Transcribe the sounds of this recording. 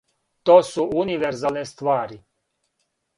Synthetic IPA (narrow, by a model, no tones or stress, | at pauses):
t̪osuuniʋeɾzalnest̪ʋaːɾi